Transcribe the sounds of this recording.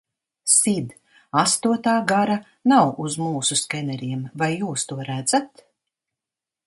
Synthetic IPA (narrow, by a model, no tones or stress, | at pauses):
sid̪ | ast̪uɔt̪aːɡaɾa | nawuzmuːsuskɛnɛɾʲiɛmvajːuːst̪uɔɾæd̪z̥at̪